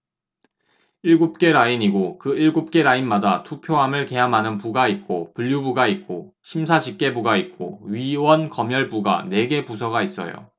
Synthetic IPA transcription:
iɭɡup̚k͈e̞ɾaiɲiɡokɯiɭɡup̚k͈e̞ɾainmadatʰupʰjoɦamɯɭke̞ɦamɦanɯnpuɡait̚k͈opuʎjubuɡait̚k͈o | ɕʰimsʰaɕʰip̚k͈e̞buɡait̚k͈o̰ɥiwʌnkʌmjʌɭbuɡa̰ne̞ɡe̞pusʰʌɡais͈ʌ̰jo̰

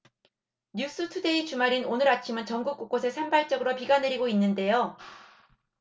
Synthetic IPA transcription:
ɲjus͈ɯtʰude̞it͡ɕumaɾinonɯɾat͡ɕʰimɯnt͡ɕʌŋɡuk͈uk̚k͈osʰe̞sʰembaɭt͡ɕ͈ʌɡɯɾopiɡane̞ɾiɡoinːɯnde̞jo

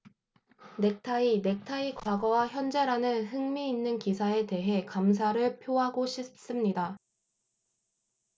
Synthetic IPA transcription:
ne̞k̚tʰaine̞k̚tʰaikwaɡʌwaçjʌnd͡ʑe̞ɾanɯnɦɯŋmiːnːɯnkisʰae̞te̞ɦe̞kams̬ʰaɾɯɭpʰjoɦaɡoɕʰis͈ɯmɲida

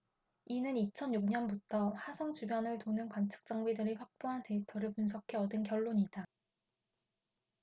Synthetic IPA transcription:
inɯnit͡ɕʰʌnjuk̚ɲʌnbutʰʌɸasʰʌŋt͡ɕubjʌnɯɭtonɯnkwant͡ɕʰɯ̥k̚t͡ɕ͈aŋwidɯɾiɸwak̚p͈oɦante̞pʰjʌɾɯɭpuns̬ʰʌkʰe̞ʌdɯnkjʌɭːoɲida

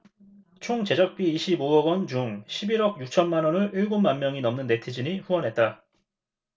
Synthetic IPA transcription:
t͡ɕʰoŋt͡ɕe̞d͡ʑʌk̚p͈iːɕʰiboʌɡʌnt͡ɕuŋɕʰibiɾʌɡ̚juk̚t͡ɕʰʌnmanʌnɯiɭɡomːanmjʌŋinʌmnɯnːe̞tʰid͡ʑiɲiɸuwʌnɦe̞t̚t͈a

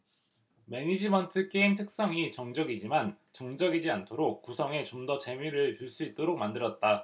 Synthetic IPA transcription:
me̞ɲid͡ʑimʌntʰɯk͈e̞intʰɯk̚s͈ʌŋit͡ɕʌŋd͡ʑʌɡid͡ʑimant͡ɕʌŋd͡ʑʌɡid͡ʑiantʰoɾok̚k͈usʰʌŋe̞t͡ɕomdʌt͡ɕe̞mjiɾɯɭt͡ɕuɭs͈uit̚t͈oɾok̚mandɯɾʌt̚t͈a

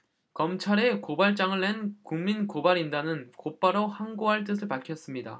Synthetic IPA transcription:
kʌmt͡ɕʰaɾe̞kobaɭt͡ɕ͈aŋɯɭːe̞nkuŋminkobaɾindanɯnkop͈aɾohaŋɡoɦaɭt͈ɯs̬ʰɯɭpaɭkʰjʌs͈ɯmɲida̰

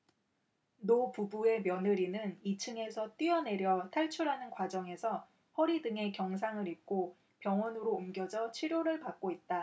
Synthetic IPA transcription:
nopubue̞mjʌnɯɾinɯnit͡ɕʰɯŋe̞sʰʌt͈iʌne̞ɾjʌtʰaɭt͡ɕʰuɾɦanɯnkwad͡ʑʌŋe̞sʰʌ | ɸʌɾidɯŋe̞kjʌŋsʰaŋɯɾip̚k͈o | pjʌŋwʌnɯɾoːmɡjʌd͡ʑʌt͡ɕʰiɾjoɾɯɭpak̚k͈oit̚t͈a

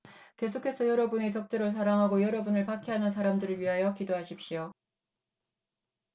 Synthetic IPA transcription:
ke̞sʰokʰe̞sʰʌjʌɾʌbunet͡ɕʌk̚t͈eɾos̬ʰaɾaŋɦaɡojʌɾʌbunɯɭpakʰeɦanɯnsʰaɾamdɯɾɯɭɥiɦajʌkidoɦaɕʰip̚ɕ͈io

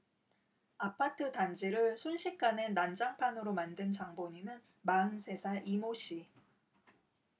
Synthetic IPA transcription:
apʰatʰɯtand͡ʑiɾɯɭsʰunɕʰik̚k͈anenand͡ʑaŋpʰanɯɾomandɯnt͡ɕaŋboɲinɯn | maɯnsʰe̞sʰaʔimoɕ͈ʰi

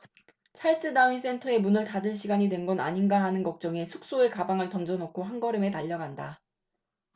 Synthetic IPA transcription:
sʰaɭs͈ɯdauis͈ʰe̞ntʰʌe̞munɯɭtadɯɭɕ̬ʰiɡaɲidwe̞nɡʌna̰ɲinɡaɦanɯnɡʌk̚t͡ɕ͈ʌŋe̞sʰuk̚s͈oe̞kabaŋɯɭtʌnd͡ʑʌnokʰoɦanɡʌɾɯme̞taʎːʌɡanda

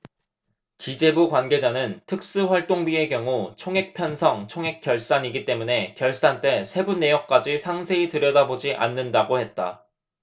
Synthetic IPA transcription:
kid͡ʑe̞bukwanɡe̞d͡ʑanɯntʰɯk̚s͈ɯɸwaɭt͈oŋbie̞kjʌŋut͡ɕʰoŋɦe̞k̚pʰjʌnsʰʌŋt͡ɕʰoŋɦe̞k͈̚jʌɭs͈aɲiɡit͈e̞mune̞kjʌɭs͈ant͈e̞sʰe̞bunːe̞jʌk̚k͈ad͡ʑisʰaŋsʰe̞itɯɾjʌdabod͡ʑiʔa̰nːɯndaɡohe̞t̚t͈a̰

